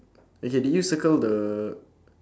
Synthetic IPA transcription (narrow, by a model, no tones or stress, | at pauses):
okedɛjusəkəldə